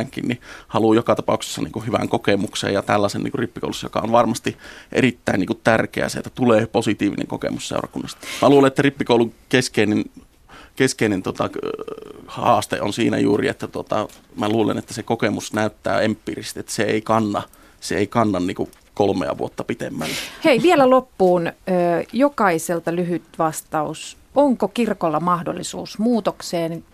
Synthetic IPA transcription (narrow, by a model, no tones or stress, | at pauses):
ŋkinnihɑlujokɑt̪ɑpɑukse̥sːɑnḭːŋkuhyʋæ̰ŋkokemuksḛjɑt̪ælːæsennḭŋkuripːi̥ko̰ˑulusːɑjo̰kɑ̰onʋɑrmɑst̪iʔḛrit̪ːæiniːkutt̪ærkḛæ̰seet̪ːæ̥t̪uleːposit̪iːʋinḛŋko̰kḛmussḛurɑ̰kunːɑst̪mæluːlenʔet̪ːæripːikoˑuluŋkeskeinen | keskeinent̪ot̪ɑ | hɑ̰ːst̪ḛʔonsiːnæ̰jṵːrḭet̪ːæt̪uot̪ɑ̰mæluːlḛnet̪ːæsekokemusnæyt̪ːæ̰ːempːirist̪et̪ːæ̥seeikɑnːɑ | seeikɑnːɑnniːku | kolmḛɑ̰ʋṵot̪ːɑpit̪emːælːæheiʋielælopːuːnøːjokɑiselt̪ɑlyhyt̪ʋɑst̪ɑus | oŋkokirkolːɑmɑhdo̰lːisṵːsmuːt̪okseːn